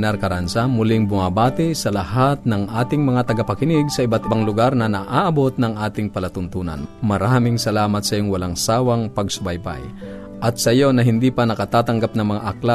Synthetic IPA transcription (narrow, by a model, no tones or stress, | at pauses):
nɛɾkɐɾansamʊlɪŋbʊŋabaːt̪ɪsɐlɐhat̪̚nɐŋʔaːt̪ɪŋmɐŋat̪ɐɡɐpɐkɪnɪɡsɐʔɪbat̪ɪbaŋlʊɡaɾnɐnɐʔaːʔɐbo̞t̪̚nɐŋʔaːt̪ɪŋpɐlɐt̪ʊnt̪uːnɐ̰nmɐɾaːmɪŋsɐlaːmɐt̪sɐjoŋwɐlaŋsaːwɐŋpɐɡsʊbajba̰j | ʔɐt̪̚sɐjo̞nɐɦɪnd̪ipɐnɐkɐt̪aːt̪ɐŋɡap̚nɐŋmɐŋaʔɐkla